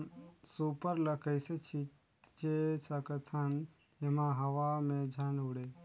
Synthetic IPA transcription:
supəɾləkʰəjset͡ʃʰit̪ | t͡ʃesəkət̪ʰan | emãɦəʋamẽd͡ʒʱanuɽe

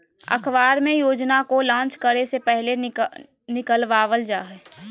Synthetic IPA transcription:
ə̰kʰʋaːɾmẽjoːd͡ʒnakolãːnt͡ʃkəɾesepɛɦle | nɪkəlʋaːʋəld͡ʒaːɦɛː

